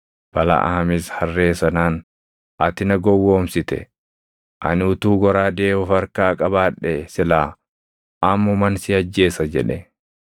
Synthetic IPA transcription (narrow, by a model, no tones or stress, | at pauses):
b̥ɐlɐ̰ʔa̰ɐmɪshɐrːe̞ːsɐnaːn | ɐt̪ɪnɐɡɔwːoːmsɪt̪ɛ̰ | ʔɐ̰nɪʊt̪uːɡɔɾaːd̪eːɔfɐɾkaːkʼɐbaːᶑːɛsɪlaː | ʔɐmːʊmɐnsɪɐd͡ʒːe̞ːsɐd͡ʒɛ̰ᶑɛ